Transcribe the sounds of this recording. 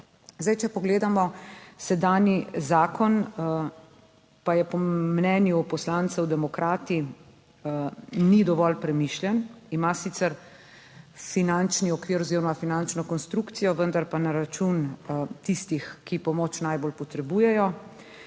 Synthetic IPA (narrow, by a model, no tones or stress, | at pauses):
zd̪ajt͡ʃɛpɔɡleːd̪amɔsɛd̪aːnjizaːkɔn | pajɛpɔmnɛːnjupɔslant̪sɛwd̪ɛmɔkɾʔaːt̪i | nid̪ɔʋɔlpɾɛmiʃljɛnimasit̪sɛɾ | finant͡ʃniɔkʋiːɾɔziːɾɔmafinant͡ʃnɔkɔnst̪ɾukt̪sijɔʋənd̪aɾpanaɾat͡ʃunt̪ist̪ixkipɔmoːt͡ʃnajbolpɔt̪ɾɛbuːjɛjɔ